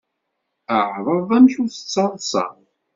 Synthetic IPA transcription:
əʕðˤəðˤæmçuθə̥t͡sːɑðˤsɑ̰

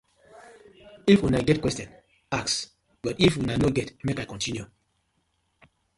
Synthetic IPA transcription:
ifwinaɪɡɛt̚kwɛstjɔ̃n | aks | bʌtifwinaɪnoɡɛtmekaɪkɔ̃ntʰinju

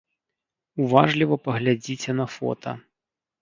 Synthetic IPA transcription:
uvaʐlʲivɐpɐɣlʲad͡zʲit͡sʲɛnɐfɔ̰t̪ʰɐ̰

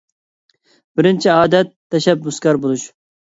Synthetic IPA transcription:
bɪɾɪnt͡ʃʰiɑːd̪ɛt̪ʰːɛʃɛbːuskʲɑɾbolˠuʃ

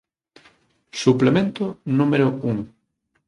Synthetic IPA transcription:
suplemẽnt̪ʊnũmeɾʊuŋ

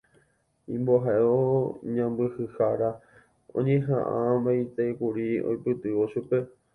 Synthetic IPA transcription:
ĩmboɦaʔeoɲãmbɨhɨhaɾa | õ̰ɲẽɦã̰ʔãbait̪ekuɾio̰jpɨt̪ɨʋo̞ʃupe̞

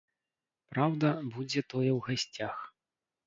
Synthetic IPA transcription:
pɾawd̪ɐbud͡zʲɛt̪ɔjɛwɣasʲt͡sʲax

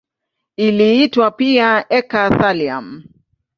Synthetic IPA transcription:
iliitwapiaɛkaθalia̰m

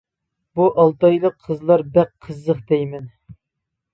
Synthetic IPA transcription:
buʔɑlˠt̪ɑjlˠəqʰːəzlˠɑɾbɛqqʰəzːəχd̪ɛjmɛn

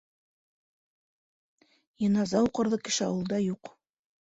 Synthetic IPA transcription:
jɤ̆nɑzɑuqɤ̆ɾðɤkɘ̆ʃɘɑ̰wɤ̆lˠd̪ɑjuq

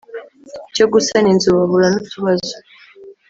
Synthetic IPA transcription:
coɡusaninzuβaβuɾanucuβazo̥

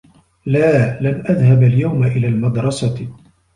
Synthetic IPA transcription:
laːlanʔaðhabaljawmaʔɪlaːlmɑd̪ɾˤɑsɑ

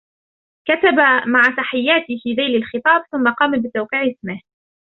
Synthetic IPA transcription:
kat̪abamaʕat̪aħɪjːaːt̪ɪfiːðaːlalxɨt̪ˤɑːb̚θʊmːaqɑːmabɪt̪awqiʕɪsmɪh

